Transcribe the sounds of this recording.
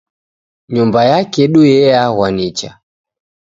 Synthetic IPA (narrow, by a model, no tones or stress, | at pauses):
ɲumbajakɛɗujɛahwanit͡ʃa